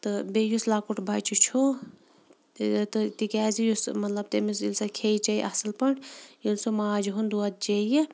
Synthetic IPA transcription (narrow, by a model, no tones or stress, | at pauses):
t̪ɨbejuslaːkuʈbʱɐjt͡ʃʰut͡ʃʰu | t̪ɨt̪ikʲaːzijusmɐt̪lɐb̚t̪emisilsɐkʰeit͡ʃɐjḭʔɐ̰sɨlpɐɳʈilsumaːd͡ʒɦund̪uɐt̪̚t͡ʃeji